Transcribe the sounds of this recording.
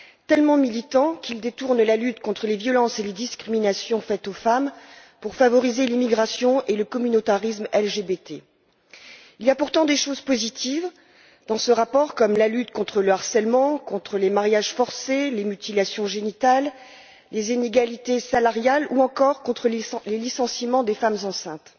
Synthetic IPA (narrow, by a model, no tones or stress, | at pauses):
t̪ɛlmɑ̃milit̪ɑ̃kʲild̪et̪uʁnlalyt̪kɔ̃t̪χəlevjɔlɑ̃seled̪iskχiminasjɔ̃fɛt̪ofam | puʁfavɔʁizelimiɡʁasjɔ̃ʔeləkɔmynot̪aʁismɛlʒebet̪e | ilijapuʁt̪ɑ̃d̪eʃozpozit̪ʰiv | d̪ɑ̃səʁapɔʁkɔmlalyt̪kɔ̃t̪χələaʁsɛlmɑ̃kɔ̃t̪χəlemaʁjaʒfɔʁselemyt̪ilasjɔ̃ʒenit̪alː | ezineɡalit̪esalaʁjaluɑ̃kɔʁkɔ̃t̪χəlelisɑ̃simɑ̃d̪efamzɑ̃sɛ̃t̪